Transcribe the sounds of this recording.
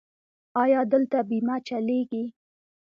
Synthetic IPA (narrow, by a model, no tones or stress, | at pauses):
ɑjɑd̪əlt̪abimat͡ʃaleɡi